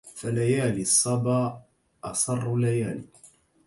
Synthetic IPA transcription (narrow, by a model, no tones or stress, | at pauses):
falajaːlɪsˤːɑbɑː | ʔɑsˤɑrˤːlajaːli